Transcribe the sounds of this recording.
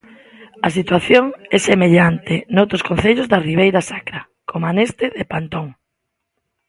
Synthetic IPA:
ɐs̬it̪waθjoŋɛsemeʎant̪ɪnowt̪ɾʊskõnθeʎʊzðɐriβ̞ejɾasakɾɐ | kʰomanest̪eðepant̪oŋ

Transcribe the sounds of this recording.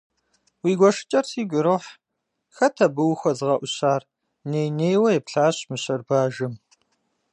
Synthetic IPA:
wiːɡʷɔʂɨ̥t͡ʃʼɐrsiːɡʷʊɾoħ | xɐtʰɐbɨwxʷɔzɨʁɐʔʷʊɕaːr | neːjneːjwɐjɛpɬaːɕmɨɕɐrbaːʒɨm

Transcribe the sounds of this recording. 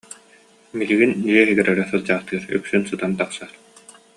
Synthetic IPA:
miliɡindiɛɦiɡɛɾɛɾɛsɯlˠd͡ʑaːχt̪ɯːɾy̰ksynsɯt̪ant̪aχsaɾ

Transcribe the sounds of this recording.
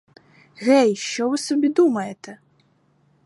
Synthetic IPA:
ɣɛjʃt͡ʃɔvɨsɔbʲid̪umɐjɛt̪ɛ

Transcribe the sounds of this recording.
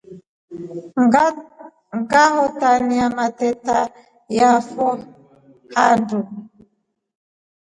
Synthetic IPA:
ŋɡahɔtaniamatɛta | jafɔ | handu

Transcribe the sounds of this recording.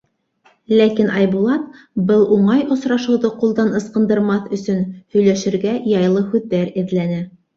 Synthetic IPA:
lækinʔɑjbulˠɑt̪̚ | bɤlˠʔuɴɑjŏsɾɑʃɤ̆wðɤqulˠd̪ɑnɤ̆sqɤ̆nd̪ɤ̆ɾmɑθɵ̆sɵnhɵ̆jlæʃɘ̆ɾɡæjɑjlˠɤhʉðːæɾɘ̆ðlænɘ

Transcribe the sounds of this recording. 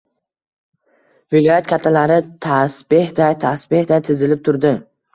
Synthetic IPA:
vɪlɒjat̪kʲʰat̪ʰːalaɾɪt̪ʰasbɪhd̪ajt̪ʰasbɪhd̪ajt̪ʰɪzɪlɪp̚t̪ʰʊɾd̪ɪ

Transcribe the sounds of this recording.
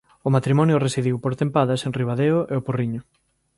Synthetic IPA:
ʊmat̪ɾimɔnjʊresiðiwpoɾt̪empaðɐseŋriβaðeʊʔeoporiɲʊ

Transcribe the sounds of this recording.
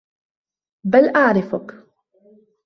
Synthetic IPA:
balʔaʕɾɪfʊk

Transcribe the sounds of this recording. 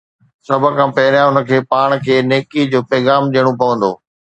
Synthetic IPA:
sɐbʱə̆kʰãːpɐɦɪɾjãʊnə̆kʰeːpaːɽ̃kʰeːneːkid͡ʑoːpɛːɣaːmɗiːəɽ̃opɐʋə̃nd̪o̰ː

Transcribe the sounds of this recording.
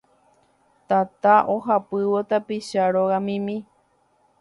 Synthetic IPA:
t̪at̪aʔoɦapɨwo̞t̪apiʃaɾoɣamĩmĩ

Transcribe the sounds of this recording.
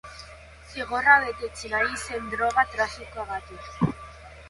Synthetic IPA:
fiɣoɾaðet̪et͡ʃiɾaisend̪ɾoɣat̪ɾafikaɣat̪u

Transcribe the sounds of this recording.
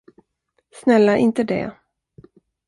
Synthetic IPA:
snɛlːaɾʔɪnt̪əd̪ɛ̰

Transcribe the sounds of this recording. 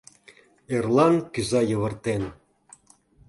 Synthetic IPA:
erlˠɑnkyzɑjɤ̆βɤ̆rt̪en

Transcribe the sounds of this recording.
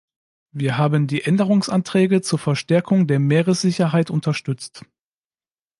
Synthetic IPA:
viːɐɦaːbəndiːʔɛndəʁ̞ʊŋsʔantʁ̥ɛːɡət͡suːɐfɛɐʃtɛɐkʰʊŋdeːɐmeːʁəsz̥ɪçɐɦaɪtʔʊntʰɐʃtʏt͡st

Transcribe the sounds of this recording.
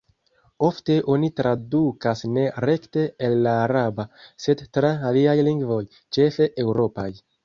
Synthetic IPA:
o̞fte̞ʔo̞nitɾadukasne̞ɾe̞kte̞ːlːaːɾabase̞dtɾaːliajliŋɡvo̞j | t͡ʃe̞fe̞ʔe̞wɾo̞pa̰j

